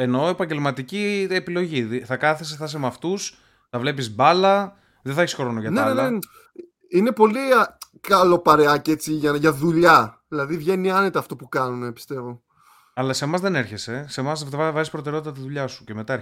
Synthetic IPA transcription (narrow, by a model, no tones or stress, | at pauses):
e̞no̞e̞pɐɲɟe̞lmɐt̪iciepilo̞ʝiðθɐkɐθeseθɐsemɐft̪us | θɐvle̞p̬izbɐlɐ | ðeθɐeçisxoɾo̞noʝɐtnenelɐe | ine̞po̞li | kɐlo̞pɐɾeɐcet͡siʝɐʝɐðuʎɐðilɐðivʝe̞niɐnet̪ɐːft̪opukɐnunepi̥st̪e̞vo̞ | ɐlɐse̞mɐzðe̞ne̞ɾçe̞se̞se̞mɐsevɐvɐzispɾot̪eɾeot̪it̪ɐt̪iðuʎɐsu̥ce̞me̞t̪ɐeɾ